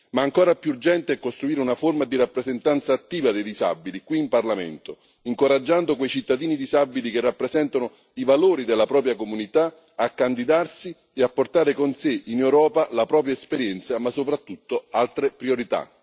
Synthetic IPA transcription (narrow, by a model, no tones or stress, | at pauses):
maːŋkɔːɾapjurd͡ʒɛnt̪ɪɛkːost̪ɾuiːɾɪunaformad̪iɾapːɾezent̪ant̪saːt̪ːiːvad̪ejd̪iza̰bilikwiːmparlamɛ̰nt̪o | iŋkoɾad͡ʒːand̪okwejt͡ʃit̪ːad̪iːnid̪izabːilikɪrːapːɾezɛnt̪anʊ | ivaloːɾid̪elːapɾɔːp̬ɾjakomunit̪a | akːand̪id̪arsi | eapːort̪aːɾɪkonsɪinɛwɾɔːpalapɾɔːp̬ɾjaespeɾjɛnt̪samasːopɾat̪ːut̪ːoalt̪ɾepɾioɾit̪a̰